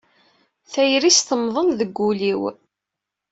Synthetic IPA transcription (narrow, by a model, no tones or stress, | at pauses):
θæjɾisθəmðˤənðəɡːuliw